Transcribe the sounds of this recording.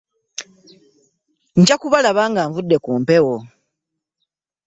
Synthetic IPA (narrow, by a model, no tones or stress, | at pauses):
ɲcakuβalaβaːŋɡaːɱvudːe̞kuːmpe̞wo